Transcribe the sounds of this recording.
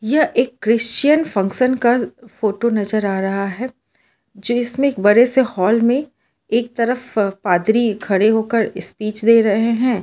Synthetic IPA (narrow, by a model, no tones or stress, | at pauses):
jɐʔeːkːɾɪst͡ʃijənfɐ̃ŋkʃənkafoːʈonɐzəɾaːɾɐɦaɦɛː | d͡ʒoːɪsmẽeːk̚bɐɾesehɔːlmẽ | eːk̚t̪ɐɾəfpaːd̪ɾikʰɐɽeɦoːkəɾɪspiːt͡ʃd̪eːɾɐɦeɦɛ̃ː